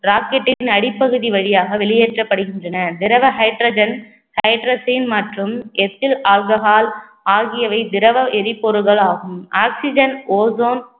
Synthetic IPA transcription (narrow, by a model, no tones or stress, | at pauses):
ɾaːkɛʈːɪɪnɐɽɪpːɐɣɯðiʋɐɻɪjaːɣɐʋɛɭɪjeːʈrɐpːɐɽɯɣɪndrɐnɐd̪ɪɾɐʋɐɦɐɪʈɾɐːd͡ʒɐn | hɐɪʈɾɐːsiːnmɐʈrɯmɛt̪ːɪlaːlɡɐɣaːl | aːɣɪjɐʋɐɪd̪ɪɾɐʋɐʔɛɾɪpːɔɾɯɣɐɭaːɣɯmaːksɪd͡ʒɐnoːzoːn